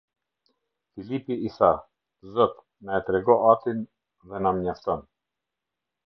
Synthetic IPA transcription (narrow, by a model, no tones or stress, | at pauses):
filipiisa | zɔt̪ | naɛt̪ɾɛɡɔʔat̪in | ðɛnamɲaft̪ɔn